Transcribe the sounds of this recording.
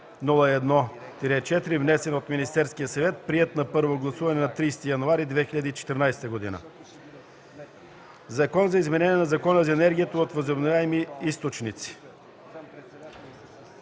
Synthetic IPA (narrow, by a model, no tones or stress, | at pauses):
nulˠəɛd̪nɔ | t̪iɾɛt͡ʃɛt̪iɾivnɛsɛnot̪minist̪ɛɾskijəsɐvɛt̪̚pɾiɛt̪nɐpɤɾvoɡlˠɐsuvɐnɛnɐt̪ɾijst̪ijɐnuaɾid̪vɛxiʎʲɐd̪iːt͡ʃɛ̥t̪ɛɾnajsɛ̥t̪əɡod̪ḭnə̰ | zɐkɔnzɐizmɛnɛnʲiɛnɐzɐkɔnəzɐɛnɛɾɡʲijət̪əot̪vəzobnovʲaɛmiist̪ot͡ʃnit̪si̥